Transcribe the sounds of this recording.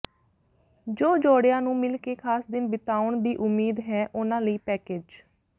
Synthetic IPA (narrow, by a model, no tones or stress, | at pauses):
d͡ʒoːd͡ʒoːɽjãːnũːmɪlkeːkʰaːsd̪ɪnbɪt̪aːʊɳd̪iːʔʊmːiːd̪ɦɛːʔʊnãːləiːpɛːkeːd͡ʒ